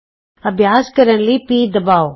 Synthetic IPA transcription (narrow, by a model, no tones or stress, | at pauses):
ɐbʱjaːskəɾənlipiːd̪ɐbaːo